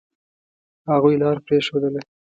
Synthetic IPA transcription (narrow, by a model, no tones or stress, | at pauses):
haɣujlɑɾpɾeʃod̪əle